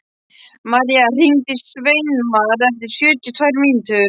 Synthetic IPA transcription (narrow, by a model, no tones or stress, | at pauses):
maɾiar̥int̪ɪsvejnmaðɛft̪ɪɾ̥sjœːt̪ʏt̪ʰvajɾmiːnʏt̪ʏ